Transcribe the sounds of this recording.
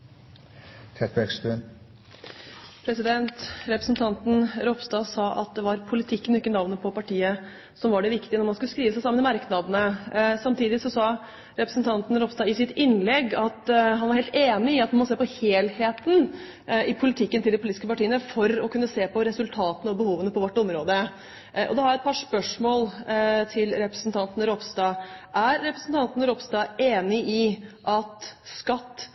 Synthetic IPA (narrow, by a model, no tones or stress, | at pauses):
t̪ʰɛt̪bɛksbʉn | pʰɾɛsɪd̪ɛnt̪ɾɛpɾəsnt̪ʰɑnt̪n̩ɾɔpst̪ɑːsɑːʔɑ̰t̪̚d̪ɛʋɑɾpʰʊlɪt̪ʰɪkːənɔɪkːənɑʋnəpʰɔpɑʈiːə | sɔmʋɑɖɛʋɪkt̪ɪənɔɾmɑnskʉləskɾiːʋəsæɪsɑmːənɪmɑɾknɑd̪nəsɑmt̪ʰiːd̪ɪsɔsɑ | ɾɛpɾəsn̩t̪ʰɑnt̪n̩ɾɔpst̪ɑːɪsɪt̪ɪnlɛɡːɑt̪ɦɑnʋɑɾheːlt̪eːnɪɪɑt̪̚mnmɔseːpɔheːlheːt̪n̩ | ɪpʰʊlɪt̪ʰɪkːənt̪ɪld̪ɛpʊliːt̪ɪskəpɑʈiːənəfɔɾɔkʰʉnːəseːpʰɔɾɛsʉlt̪ʰɑːt̪ənəɔbəhuːʋənəpʰɔʋɔʈːɔmɾoːd̪ə | ʔɔ̰d̪ɛhɑɾjæɛt̪̚pʰɑʂpœʂmoːlt̪ʰɪlɾɛpɾə̥sn̩t̪ʰɑnt̪ənəɾɔpst̪ɑːʔæɾːɛpɾəsn̩t̪ʰɑnt̪nəɾɔpst̪ɑːeːnɪʔɪʔɑt̪skɑt̪ː